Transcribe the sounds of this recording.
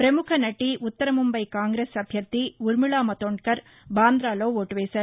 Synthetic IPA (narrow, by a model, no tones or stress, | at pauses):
pɾɐmʊkʰɐnɐʈːiʔʊt̪ːɐɾɐmʊmbɐɪkaːŋɡɾeːsɐbʱjɐt̪ːiʊɾmɯɭaːmɐt̪oːɳkɐɾ | baːnd̪ɾaːloːʋoːʈːʋeːsɐɾ